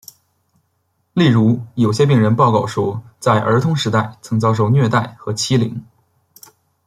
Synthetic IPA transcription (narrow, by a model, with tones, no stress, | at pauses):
li˥˩ɻu˧˥jo˨˩ʊɕjɛ˥p̬i˥˩ŋɻə˧˥npɑ˥˧ʊkɑ˥˩ʊʂwɔ˥t͡sa˥˩ɪʔə̰˞˧˥t̪ʰʊ˥ŋʂɻ̩˧˥t̪a˥˩ɪt͡sʰɤ˧˥ŋt͡sɑ˥˧ʊʂ̬o˥˧ʊnɥɛ˥˧t̪a˥˩ɪxɤ˧˥t͡ɕʰi˥lḭ˧˥ŋ